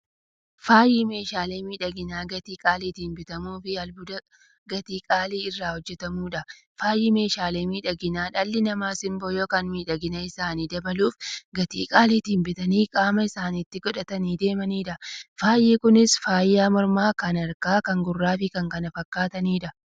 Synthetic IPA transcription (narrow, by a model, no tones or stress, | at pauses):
faːjiːme̞ːʃaːle̞ːmiːᶑɐɡɪnaːɡɐt̪iːkʼaːliːt̪iːnbɪt̪ɐmuːfɪɐlbʊd̪ɐ | ɡɐt̪iːkʼaːliːɪrːaːhɔd͡ʒːɛt̪ɐmuːᶑɐ | faːjːiːme̞ːʃaːle̞ːmiːᶑɐɡɪnaːᶑɐlːɪnɐmaːsɪmboːjoːkɐnmiːᶑɐɡɪnɐɪsaːniːd̪ɐbɐluːfɡɐt̪ḭːkʼaːliːt̪iːnbɪt̪ɐniːkʼaːmɐɪsaːniːt̪ːɪɡɔᶑɐt̪ɐniːd̪e̞ːmɐniːᶑɐfaːjiːkʊnɪsfaːjːaːmɔɾmaːkɐnɐɾkaːkɐŋɡʊrːaːfɪkɐŋkɐnɐfɐkːaːt̪ɐniːᶑɐ